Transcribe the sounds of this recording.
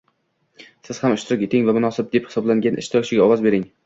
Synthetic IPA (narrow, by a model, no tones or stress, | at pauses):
sɪz̥hamʊʃt̪ɪɾɪkʲje̞t̪ɪŋvamʊnɒsɪb̚d̪e̞phɪ̥sɒblaŋɡʲanʔɪ̰ʃt̪ʰɪɾɒkt͡ʃʰɪɡʲaɒwɒzbe̞ɾɪŋ